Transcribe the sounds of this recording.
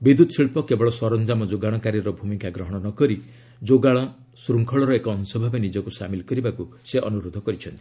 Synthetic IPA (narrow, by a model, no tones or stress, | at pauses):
bid̪ut̪ɔsiɭpɔkebɔɭɔsɔɾɔnd͡ʒamɔd͡ʒoɡaɽ̃ɔkaɾjɔɾɔbʱumikaɡɾɔɦɔɽ̃ɔnɔkɔɾi | d͡ʒoɡaɭ̃ɔ | sɾuŋkʰɔɭɔɾɔekɔːnsɔbʱabenid͡ʒɔkusa̰milkɔɾibakuseʔɔnuɾod̪ʱːɔkɔɾit͡ʃʰɔnt̪i̥